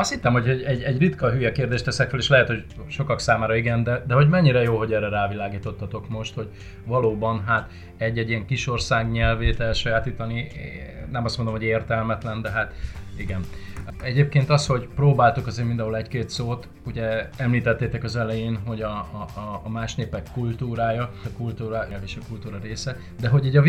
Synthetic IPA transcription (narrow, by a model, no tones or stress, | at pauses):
ɒst̪hit̪ːɛmho̞cho̞ɟɛɟɛɟrit̪kɒɦyːjɛkeːrd̪eːʃt̪ɛsɛkføleːʃlɛɦɛt̪ho̞c | ʃo̞kɒksaːmaːɾɒiɡɛnd̪ɛd̪ɛɦo̞ɟmɛɲːiɾɛjoːɦo̞ɟɛrɛɾaːvilaːɡiːt̪o̞t̪ːɒt̪o̞kmo̞ʃt̪ho̞ɟ | vɒloːbɒnɦat̪ | ɛɟːɛɟijɛŋkiʃo̞rsaːɡɲɛlveːt̪ɛlʃɒjaːt̪iːt̪ɒniː | ɛmɒst̪mo̞nd̪omho̞ɟeːrt̪ɛlmɛt̪lɛnd̪ɛɦat̪iɡɛnɛɟeːp̚keːnt̪ɒsho̞ɟproːbaːlt̪ukɒzeːrmind̪ɛ̃ɦolɛckeːt̪soːt̪ | uɟɛɛmliːt̪ɛt̪ːeːt̪ɛkɒzɛlɛjeːnɦo̞ɟɒː | maːʃneːpɛkːult̪uːɾaːjɒkult̪uːɾaɛlveːʃɒkult̪uːɾɒɾeːsɛ | d̪ɛɦo̞ɟiɟɒ